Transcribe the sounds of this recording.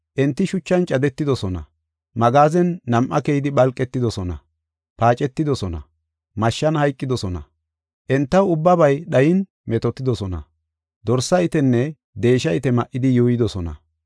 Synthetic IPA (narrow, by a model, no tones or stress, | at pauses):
ʔɛnt̪ːɪʃʊt͡ʃːɐnt͡ʃʼɐd̪ɛt̪ːɪd̪ɔsɔnɐ̰ | mɐɡaːzɛnːɐmʔːɐkɛjɪd̪ɪɓɐlkʼːɛt̪ːɪd̪ɔsɔnɐ̰ | paːt͡ʃʼɛt̪ːɪd̪ɔsɔnɐ̰ | mɐʃːɐnhɐjkʼːɪd̪ɔsɔnɐ̰ | ʔɛnt̪ːɐwʊbːɐbɐjɗɐjɪn | mɛt̪ɔt̪ːɪd̪ɔsɔnɐ̰ | d̪ɔɾsɐɪt̪ɛnːɛ | d̪e̞ːʃɐɪt̪ɛmɐʔːɪd̪ɪjuːjɪd̪ɔsɔnɐ̰